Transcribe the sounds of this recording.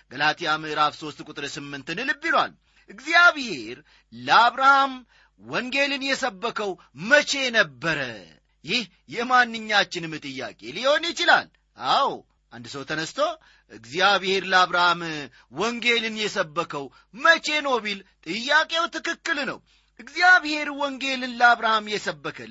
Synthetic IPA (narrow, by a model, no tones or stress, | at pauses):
ɡ̥əlat̪ʰijamɨɨɾafso̞st̪kʼʊt̪ʼɨɾsɨmːɨnt̪ɨnɨlɨbːilwa̰l | ʔɨɡzijaβhe̞ɾ | ləaβɾaham | wɔŋɡe̞lɨnjɛsəbːəkʰəw | mət͡ʃe̞nəbːəɾə̰ | jɪh | jɛmanːɨɲːat͡ʃːɪnɨmːɨt̪ʼɨjːa̰kʼe̞̰lihonjɪt͡ʃɪlal | ʔaw | ʔa̰nd̪səwt̪ʰənəst̪ʰo̞ | ʔɨɡzijaβhe̞ɾləaβɾaham | wɔŋɡe̞lɨnjɛsəbːəkʰəw | mət͡ʃe̞no̞βilt̪ʼɨjːakʼe̞wt̪ʰɨkɨkːɨlnə̰w | ʔɨɡzijaβhe̞ɾwɔŋɡe̞lɨnləaβɾahamjɛsəbːəkʰə